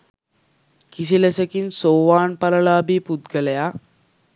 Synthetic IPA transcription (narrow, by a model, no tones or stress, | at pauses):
kisilesəkiːnsoʋaɳpəɾlabʱiːpud̪ɡəlja